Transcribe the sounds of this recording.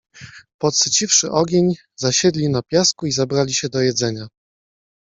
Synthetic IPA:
pɔt̪sɘt͡ɕifʂɘʔɔɡʲeɲ | zaɕɛd̪lʲinapʲjaskuizabɾalʲiɕɛd̪ɔjɛd̪zɛɲa

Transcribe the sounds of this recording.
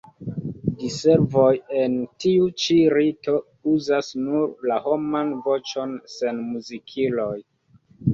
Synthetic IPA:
dise̞ɾvo̞je̞ntiut͡ʃiɾito̞ | uzasnuɾlaho̞manvo̞t͡ʃo̞nse̞nmuzikʰilo̞j

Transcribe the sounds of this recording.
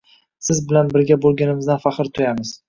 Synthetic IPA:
sɪzbɪlanbɪɾɡʲabolˠɡʲanɪmɪzd̪anfaχɨɾt̪ʰʊjamɪz̥

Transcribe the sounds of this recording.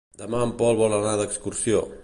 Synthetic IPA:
d̪əmaəmpɔlˠβɔlənaðəkskuɾsio

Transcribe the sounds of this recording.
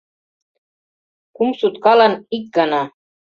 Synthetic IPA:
kumsut̪kɑlɑnik̚ɡɑnɑ

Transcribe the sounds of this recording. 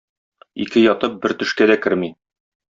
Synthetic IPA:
ḭkɘjɒt̪ɤp̚bɘɾt̪ɵ̆ʃkæd̪ækɘɾmi

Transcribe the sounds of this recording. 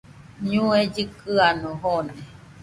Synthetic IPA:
ɲũed͡ʒɨkɨanoɦone

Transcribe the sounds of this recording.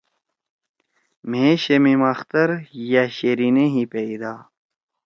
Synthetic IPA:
mẽːɕemimɐxt̪ɐɾjaɕeɾineɦĩpeid̪aː

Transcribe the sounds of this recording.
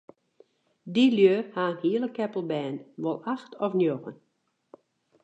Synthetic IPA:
diljøːhaːənhiələkɛpəl̩ˠbɛːnʋɔlˠaxtʰɔfnjoɣən

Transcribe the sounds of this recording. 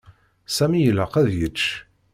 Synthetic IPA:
sæmijələqæðjət͡ʃː

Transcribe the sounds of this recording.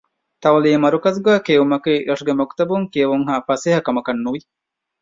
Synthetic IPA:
t̪ɐʋɐliːmɐɾukɐzɡaːkeːʋumɐkiːɾʔɐʂuɡemɐku̥t̪ɐbuŋkiɐʋuŋɦaːfɐseːɦɐkɐmɐkɐnːuʋi

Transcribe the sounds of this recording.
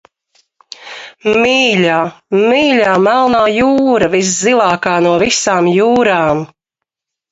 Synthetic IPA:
miːlaːmiːʎʲaːmælˠnaːjuːɾɐvis̬zilˠaːkaːnuɔvisaːmjuːɾaːm

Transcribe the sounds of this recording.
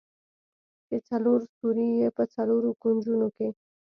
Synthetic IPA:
ket͡sɐluːɾsuɾijepət͡sɐloːɾukunʲd͡ʑunoke

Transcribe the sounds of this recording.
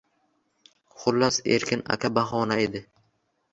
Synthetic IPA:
χʊlːasḛɾkʲʰɪna̰kʰʲabaɦɒːnaed̪ɪ

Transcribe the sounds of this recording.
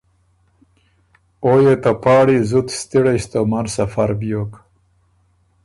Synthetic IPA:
ojet̪apɑːɽizut̪st̪iɽeɕt̪omaɾsafaɾbjok

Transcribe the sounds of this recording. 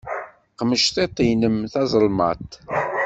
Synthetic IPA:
qəməʃθet̪ˤːinəmθɑzˤəlmɑ̰t̪ˤ

